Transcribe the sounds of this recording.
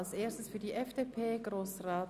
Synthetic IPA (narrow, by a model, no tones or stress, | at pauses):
lsʔeːɐstəsfyːɐdiːʔɛfd̥epʰeːɡʁoːsʁaː